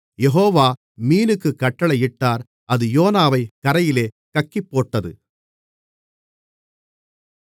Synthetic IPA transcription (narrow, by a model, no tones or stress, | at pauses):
jɛɦoːʋaː | miːnɯkːɯkːɐʈːɐɭɐɪʈːaːɾ | ɐðɯjoːnaːʋɐɪkɐɾɐjɪleː | kɐkːipːoːʈːɐðɯ̰